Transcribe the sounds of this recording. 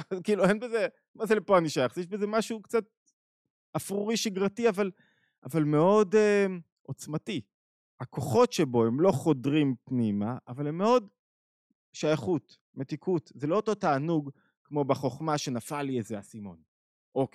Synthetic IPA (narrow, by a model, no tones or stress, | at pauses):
kiːluenbeze | mazelepoaniʃajaχzjeʃbeze̞maʃukt͡sat̪̚ | afʁuʁiʃiɡʁatiaval | avalmeo̞dem | ʔo̞t͡smati | hako̞χo̞tʃebo̞emlo̞χo̞dʁimpnimaːvalemːeo̞d | ʃajaχut | me̞tikʰutzelo̞oto̞taːnuɡ | kmo̞baχo̞χmaʃe̞nafaliezeasimo̞̰n | ʔok